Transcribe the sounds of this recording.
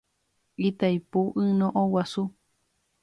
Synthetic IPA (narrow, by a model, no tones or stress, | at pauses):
it̪ajpuʔɨnõʔowasu